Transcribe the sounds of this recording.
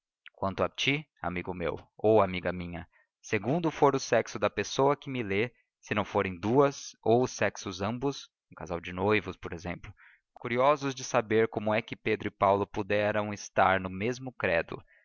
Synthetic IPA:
kwɐ̃nt̪ʊat͡ʃi | a̰miɡʊmḛwowamiɡɐmĩɲɐ | seɡũnd̪ʊfoɾʊsɛksʊd̪ɐpesowɐkɪmɪle | sɪnɐ̃w̃foɾẽj̃d̪uɐzowʊsɛksʊzɐ̃mbʊs | ũkazawd͡ʒɪnojvʊspoɾezḛ̃mplʊ | kuɾiɔzʊzd͡ʒɪsabeɾkõmʊɛkɪped̪ɾʊɪpawlʊpud̪ɛɾɐ̃w̃ɪst̪aɾnʊmezmʊkɾɛd̪ʊ̰

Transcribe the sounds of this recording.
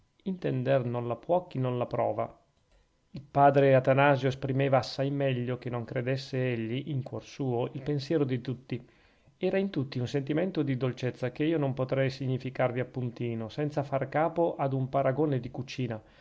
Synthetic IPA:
int̪ɛnd̪ernonlapwɔkːinonlapɾɔ̰ːva̰ | ilpaːd̪ɾeat̪anaːzjoespɾimeːvaːsːajmɛʎːokenːoŋkɾed̪esːeeʎːiʔiŋkwɔrsuːoilpensjɛːɾod̪it̪ut̪ːi | ɛːɾaint̪ut̪ːiunsent̪iment̪od̪id̪olt͡ʃet̪sːakeiːonompot̪ɾɛjsiɲːifikarviapːunt̪iːnosɛnt̪safarkaːpoʔad̪umpaɾaɡoːned̪ikut͡ʃiːna

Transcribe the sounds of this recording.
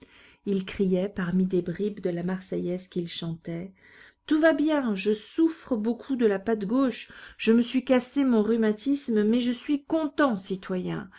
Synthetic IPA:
ilkχijɛpaʁmid̪ebʁibd̪əlamaʁsɛjɛskʲilʃɑ̃t̪ɛ | t̪uvabjɛ̃ʒəsufχəbokʰud̪əlapat̪ɡoʃʒ̥əməsɥikasemɔ̃ʁymat̪ismmɛʒəsɥikɔ̃t̪ɑ̃sit̪wajɛ̰̃

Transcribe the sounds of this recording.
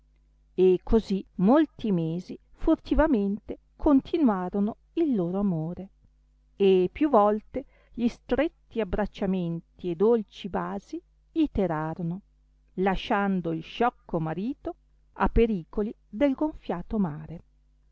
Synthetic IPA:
ekʰːozimolt̪imeːzi | furt̪ivament̪e | kʰont̪ʰinwaːɾono | ilːoːɾoamoːɾe | epːjuvɔlt̪e | ʎist̪ɾet̪ːiabːɾat͡ʃːament̪ied̪olt͡ʃibaːzi | it̪eɾaːɾono | laʃand̪oilʃɔkʰːomaɾiːt̪o | a̰pːeɾiːkoli | d̪elɡoɱfjaːt̪omaːɾe

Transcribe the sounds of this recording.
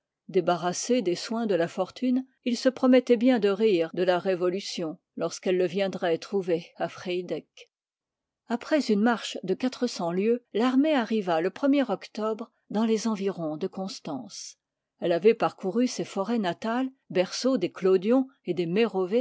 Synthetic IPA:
d̪ebaʁased̪eswɛ̃d̪əlafɔʁt̪ʰyn | ilsəpχɔmɛt̪ɛbjɛ̃d̪əʁiːʁd̪əlaʁevɔlysjɔ̃ | lɔʁskɛlːəvjɛ̃d̪ʁɛt̪χuveafχɛjd̪ɛk | apχɛzynmaʁʃd̪əkat̪χəsɑ̃ljølaʁmeaʁivaləpχəmjɛʁɔkt̪ɔbʁ | d̪ɑ̃lezɑ̃viʁɔ̃d̪əkɔ̃st̪ɑ̃s | ɛlavɛpaʁkuʁysefɔʁɛnat̪al | bɛʁsod̪eklod̪jɔ̃ed̪emeʁɔve

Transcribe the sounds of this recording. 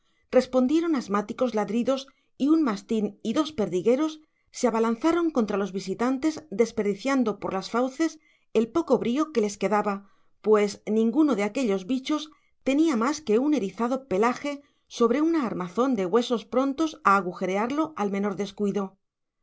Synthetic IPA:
r̥e̞spo̞nd̪je̞ɾo̞nazmat̪iko̞zlaðɾiðo̞s | iunmast̪iniðo̞spe̞ɾðiɣe̞ɾo̞sː | eaβalan̟θaɾo̞ŋko̞nt̪ɾalo̞zβisit̪ant̪e̞zd̪e̞spe̞ɾðiθjand̪o̞po̞ɾlasfawθe̞s | e̞lpo̞ko̞βɾio̞ke̞le̞ske̞ðaβa | pwe̞snĩŋɡuno̞ðe̞ake̞ʎo̞zβit͡ʃo̞s | t̪e̞niamaske̞une̞ɾiθaðo̞pe̞laxe̞ | so̞β̞ɾe̞unaːɾmaθo̞nd̪e̞ɣwe̞so̞spɾo̞nt̪o̞saːɣ̞uxe̞ɾeaɾlo̞ʔalme̞no̞ɾðe̞skwiðo̞

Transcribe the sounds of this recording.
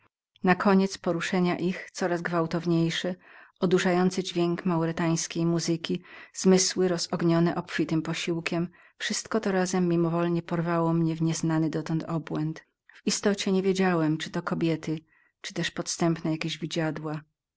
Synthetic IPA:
nakʰɔɲɛt̪spɔɾuʂɛɲaʔixt̪sɔɾazɡvawt̪ɔvɲejʂɛɔd̪uʂajɔnt̪sɘd͡ʑvʲjeŋkmawɾɛt̪aj̃skʲejmuzɘkʲiz̥mɘswɘɾɔzɔɡɲɔnɛʔɔpfʲit̪ɘmpɔɕiwkʲɛm | fʂɘst̪kɔt̪ɔɾazɛmːimɔvɔlɲɛpɔɾvawɔmɲɛvɲɛznanɘd̪ɔt̪ɔnt̪ʰɔbwɛnt̪ | vist̪ɔt͡ɕɛɲɛvʲjed͡ʑawɛmt͡ʂɘ̥t̪ɔkɔbʲjɛt̪ɘ | t͡ʂɘ̥t̪ɛʂpɔt̪st̪ɛmpnɛjakʲeʑvʲid͡ʑad̪wa

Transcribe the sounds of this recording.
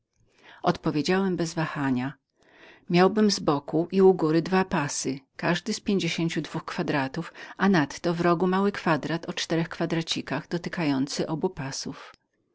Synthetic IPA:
ɔt̪pɔvʲjed͡ʑawɛmbɛzvaxaɲa | mʲjawbɘmzbɔkuʔiuɡuɾɘd̪vapasɘkaʐd̪ɘspʲjeɲd͡ʑeɕeɲt͡ɕud̪vuxkfad̪ɾat̪ufanat̪ːɔvɾɔɡumawɘkfad̪ɾat̪ɔt͡ʂt̪ɛɾɛxkfad̪ɾat͡ɕikaɣd̪ɔt̪ɘkajɔnt̪sɘʔɔbupasuf

